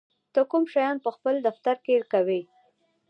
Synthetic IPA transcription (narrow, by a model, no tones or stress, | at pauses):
t̪əkumʃajɑnpəxpəld̪aft̪aɾkeɽkawi